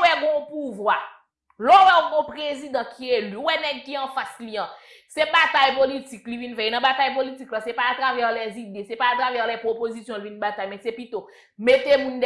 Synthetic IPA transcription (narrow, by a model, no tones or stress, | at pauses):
wɛɡɔ̃puvwa | lɔwɛoɡɔ̃pʁezid̪ãkʰielywɛnɛɡ̚kiɐ̃fasliɐ̃ | sɛbat̪ajpolitiklivinfɛenɐ̃bat̪ajpolitiklãsɛpaːt̪ʁavɛʁlɛzid̪esɛpaːt̪ʁavɛʁlɛpʁopozisjɔ̃lvinbat̪ajmɛ̃sɛpit̪o | met̪emũnd